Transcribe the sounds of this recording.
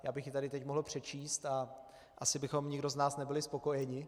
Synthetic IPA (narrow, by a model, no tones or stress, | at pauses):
jaːbɪxjɪt̪adɪt̪ɛcmoɦl̩pr̝̥ɛt͡ʃiːst̪a | ʔasɪbɪxo̞mɲɪɡdo̞znaːsnɛbɪlɪspo̞ko̞jɛɲɪ